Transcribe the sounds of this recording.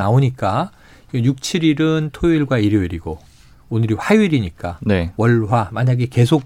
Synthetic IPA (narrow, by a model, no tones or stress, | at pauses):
aoɲik͈a | iɡejuk̚t͡ɕʰiɾiɾɯntʰoiɭɡwaiɾjoiɾiɡo | onɯɾiɸauiɾiɲik͈anewʌɭɸwamaɲaɡeke̞sʰok̚